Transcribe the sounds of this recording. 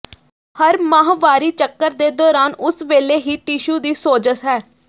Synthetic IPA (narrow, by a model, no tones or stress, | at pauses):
həɾmãːɦʋaːɾiːt͡ʃəkːəɾd̪eːd̪ɔːɾaːnʊsʋeːleːɦiːʈiʃuːd̪iːsoːd͡ʒəsɦɛː